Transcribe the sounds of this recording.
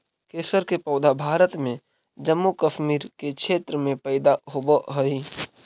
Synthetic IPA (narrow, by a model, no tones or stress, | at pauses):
keːsəɾkepɔːd̪ʱabʱaːɾət̪mẽ | d͡ʒəmːukəʃmiːɾkekʃʰeːt̪ɾəmẽpəːɪd̪aɦoboɦoi